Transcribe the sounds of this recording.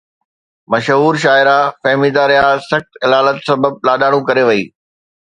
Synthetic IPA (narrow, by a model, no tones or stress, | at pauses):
mɐʃɦuːɾʃ̬aːɪɾafɐɦmiːd̪aɾɪjaːsɐxt̪ɪlaːlət̪sɐbəb̚laːɗaːɽ̃ũkɐɾeʋɐḭː